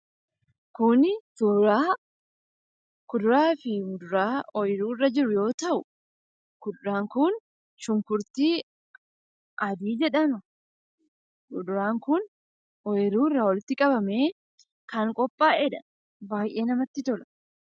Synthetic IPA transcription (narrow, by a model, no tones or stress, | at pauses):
kʊnɪkʊɾaː | kʊd̪ʊɾaːfɪʊd̪ʊɾaːɔjɾuːrːɐd͡ʒɪɾʊjo̞ːt̪ɐʔʊ | kʊd̪ʊɾaːŋkʊn | ʃʊŋkʊɾt̪iː | ʔɐd̪iːd͡ʒɛᶑɐmɐ | ʊd̪ʊɾaːŋkʊn | ɔjɪɾuːɪrːɐwɔlɪt̪ːɪkʼɐbɐmeː | kɐŋkʼɔpʼːaːʔɛᶑɐ | baːjʔe̞ːnɐmɐt̪ːɪt̪ɔlɐ̥